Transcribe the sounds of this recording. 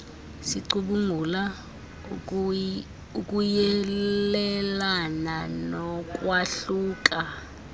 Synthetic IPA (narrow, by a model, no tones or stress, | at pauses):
siǀuɓuŋula | ukʼujɛlɛlananɔk̬ʼwaɬuːk̬ʼa